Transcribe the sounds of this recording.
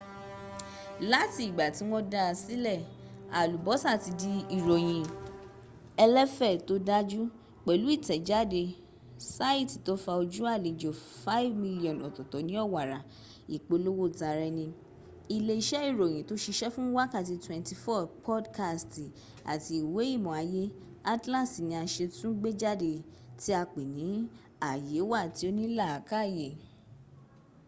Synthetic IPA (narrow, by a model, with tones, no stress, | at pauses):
la˦ti˧i˨ɡ͡ba˨ti˨˦w̃ɔ̃˦da˧a˧si˦lɛ˦˨a˨lu˨bɔ˨˦sa˦˨ti˧di˧i˨ɾo˨j̃ĩ˨ | ɛ˧lɛ˦fɛ˦˨to˦da˦d͡ʒu˦ | k͡pɛ˨lu˨˦i˦˨tɛ˨˦d͡ʒa˦˨de˧ | sa˦i˦˨ti˨to˨˦fa˧o˧d͡ʒu˦a˦˨le˨d͡ʒo˨fa˦i˦vmi˦li˦ɔ̃˨ɔ˨tɔ˨tɔ˨˦nĩ˦ɔ˦˨wa˨ɾa˨ | i˨k͡po˧˦lo˦wo˦˨ta˧ɾɛ˧nĩ˧ | i˨le˧i˧ʃɛ˦i˦˨ɾo˨j̃ĩ˨˦to˨˦ʃi˧ʃɛ˦fũ˦wa˦ka˦˨t̬i˧twɛ̃˨˧nti˧fɔ˦˨pʰɔ˦dka˧sti˨ | a̰˨ti˧i˨we˨˦i˦˨mɔ̃˨a˧je˦ | a˦tlã˦˨si˨nĩ˧a˧ʃe˧tũ˦ɡ͡be˦d͡ʒa˦de˧ti˦a˧k͡pe˨nĩ˨˦ | a˨je˨˦wa˦˨ti˨˦o˦nĩ˦la˦˨a˨ka˦˨je˨